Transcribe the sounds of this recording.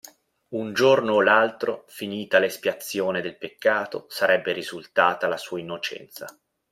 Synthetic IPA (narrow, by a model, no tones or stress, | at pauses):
und͡ʒornoːlalt̪ɾofiniːt̪alespjat̪sːjoːned̪elpekːaːt̪o̰saɾɛbːeɾizult̪aːt̪alasuːainːot͡ʃɛ̰nt̪sa̰